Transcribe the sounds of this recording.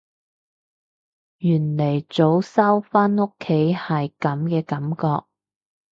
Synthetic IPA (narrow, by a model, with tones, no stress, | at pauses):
jyː˨˩nle˨˩jt͡so˨˥wsɐ˥wfaː˥no˥kʰːe˨˥jhɐ˨jkɐ˨˥mkɛː˧kɐ˨˥mkɔː˧k̚